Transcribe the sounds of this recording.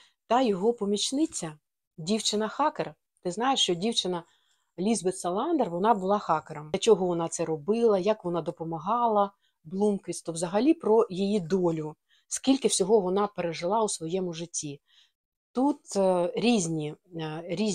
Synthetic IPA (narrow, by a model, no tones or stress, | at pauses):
t̪ɐjɔɦɔpɔmʲit͡ʃnɪt͡sʲːɐ | dʲiwt͡ʃɪnɐxɑker | t̪ɪznɑjeʂt͡ʃɔdʲiwt͡ʃɪnɐ | lʲizbet̪sɐlˠɑnd̪erʋɔnɑbʊlˠɑxɑkeɾɐmɐt͡ʃɔɦɔʋɔnɑt̪sɛɾɔbɪlˠɐjɐkʋɔnɑd̪ɔpɔmɐɦɑlˠɐ | blˠumkʋʲisʲt̪ɔʋzɐɦɐlʲipɾɔjijid̪ɔlʲʊ | skʲilʲkɪwsʲɔɦɔʋɔnɑpeɾeʒɪlˠɑusʋɔjɛmʊʐɪtʲːi | t̪ut̪ɾʲizʲnʲiɾʲiz